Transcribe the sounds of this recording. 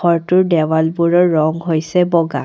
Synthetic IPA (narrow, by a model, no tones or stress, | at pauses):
ɔɹtʊɹdɛwalbuɹɔɹːɔŋɦojsɛbɔɡa̰